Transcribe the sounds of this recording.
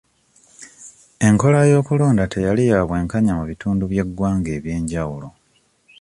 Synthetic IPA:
e̞ŋko̞lajo̞ːkulo̞ːndatʰe̞jalijaβwe̞ːŋkaɲamuβituːnduβje̞ɡwaːŋɡe̞ːβje̞ːɲɟawulo̞

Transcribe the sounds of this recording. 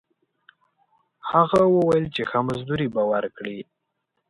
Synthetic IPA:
haɣawəwajəlt͡ʃexamazd̪uɾibawaɾkɽi

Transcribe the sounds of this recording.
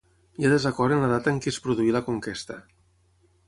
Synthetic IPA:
jaðəzəkɔɾənləðat̪əŋkispɾuðuiləkuŋkest̪ə

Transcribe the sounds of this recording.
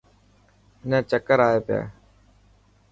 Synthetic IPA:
ɪnẽːt͡ʃəkəɾaːeːpɪja̰ː

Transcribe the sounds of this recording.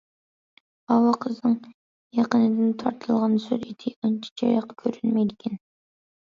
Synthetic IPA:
ɑwɑqʰəznɨŋ | jɑqənɨd̪ɪnt̪ʰɑɾt̪ʰɨlˠʁɑnsøɾet̪ʰɪɑnt͡ʃʰi̥t͡ʃʰɑjɑqːkʲʰøɾynmɛjd̪ɪkʲʰɛn

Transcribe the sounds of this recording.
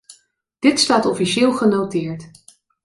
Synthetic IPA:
d̥ɪtstaːtɔfiʃɪːlˠχənowtɪːɹt

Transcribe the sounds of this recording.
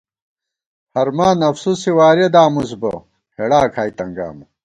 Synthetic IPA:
hɐɾmaːnɐfsusiwaːɾed̪aːmus̬bɐ̰ | heɽaːkʰaːit̪ɐŋɡa̰ːmɐ

